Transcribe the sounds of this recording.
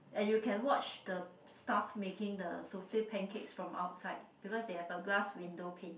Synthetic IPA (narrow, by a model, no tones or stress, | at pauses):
ʔɛ̃njukʰɛ̃nwɔt͡ʃdə | stafmekɪ̃ŋdəsofipʰɛ̃nkʰetsfɹɔ̃ma̰ʊtsaɪd̚b̥ikɔsdehɛvəɡlaswĩndopʰẽn